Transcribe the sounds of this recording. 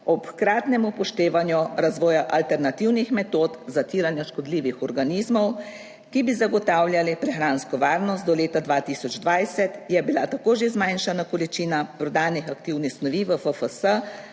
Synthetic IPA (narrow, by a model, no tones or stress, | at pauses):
ɔpkɾaːt̪nɛmupɔʃt̪eːʋanjuɾazʋɔːjaʔalt̪ɛɾnat̪iwnixmɛt̪oːt̪zat̪iːɾanjaʃkɔd̪liːʋixɔɾɡanizmɔw | kibizaɡɔt̪aːwljalipɾɛxɾaːnskɔʋaːɾnɔst̪̚d̪ɔleːt̪ad̪ʋat̪isɔd͡ʒd̪ʋajsɛt̪jɛbilat̪akoːʒezmajnʃanakɔlit͡ʃiːnapɾɔd̪aːnixak̚t̪iwnixsnɔʋiʋəfəfəsə